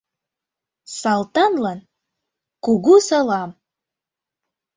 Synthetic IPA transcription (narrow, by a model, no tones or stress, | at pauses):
sɑlˠt̪ɑnlɑn | kuɣusɤlɑm